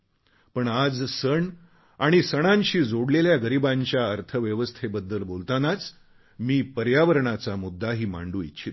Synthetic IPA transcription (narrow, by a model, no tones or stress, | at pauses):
pəɳad͡zsəɳ | aɽ̃isəɽ̃anɕiːd͡zoɽleljaɡəɾibaɲt͡ɕjaəɾt̪ʰəʋjəʋəst̪ʰebəd̪ːəlbolt̪anat͡s | miːpəɾjaʋəɾɳat͡samud̪ʱːaɦiːma̰ɳɖuːḭt̪ːɕʰit̪